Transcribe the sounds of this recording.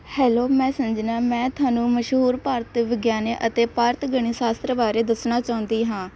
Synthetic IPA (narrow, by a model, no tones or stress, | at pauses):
hɛːloːmɛ̃ːsəmd͡ʒnaːmɛ̃ːt̪ʰʊwaːnũːməʃɦuːɾpaːɾt̪ːʋəɡjaːneːʔət̪eːpaːɾt̪ɡəɽ̃iːsaːst̪ɾəbaːɾeːd̪əsnaːt͡ʃaːʊ̃nd̪iːɦãː